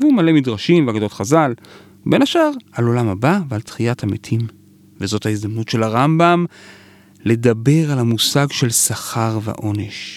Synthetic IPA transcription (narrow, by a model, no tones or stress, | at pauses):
vumale̞midʁaʃimveaɡado̞tχazal | be̞naʃaʁalo̞lamhabavealtχijathametʰim | vezo̞thaizd̪amnutʃe̞laʁambam | le̞dabe̞ʁalamusaɡʃe̞lsaχaʁvḛʔo̞neʃ